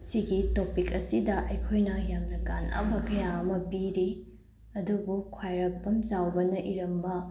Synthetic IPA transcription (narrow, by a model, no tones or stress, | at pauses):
siɡitopikɐsidɐʔɐjkʰojnɐjamnɐɡanʔa̰bɐkɐjaɐmɐpiɾi | ɐdubukʰwajɾɐk̚bɐmt͡ʃawbɐnɐʔiɾɐmbɐ